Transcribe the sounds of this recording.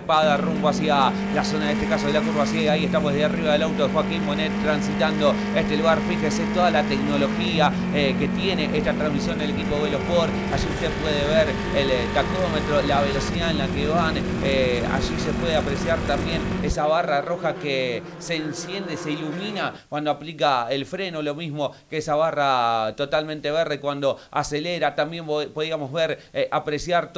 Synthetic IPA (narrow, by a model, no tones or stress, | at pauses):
paðarumboasja | laso̞naðet̪ekaso̞ðelakuɾβasiðajaieht̪amoðeðeariβaðelawt̪oðexwakimponet̪ɾansit̪and̪o̞ | eht̪eluɣaɾfixeset̪o̞ðalat̪ek̚nolo̞xia | ke̞t̪je̞neʔeht̪at̪ɾanmisjo̞nd̪ele̞kipoðelohpoɾ | aʒiuht̪epwe̞ðeβeɾ | elt̪ak̚t̪o̞met̪ɾolaβe̞lo̞siðaenlakeβanea̰ʒise̞pwe̞ðeapɾe̞sjaɾt̪ambje̞nesaβ̞araro̞xake | se̞ːnsje̞nd̪ese̞iluminakwand̪oaplikaelfɾe̞nolo̞mizmo̞keesaβarat̪o̞t̪almẽnt̪e̞βeɾðekwand̪o̞ase̞leɾat̪ambje̞mpoðiamo̞zβeɾʔapɾe̞sjaɾt̪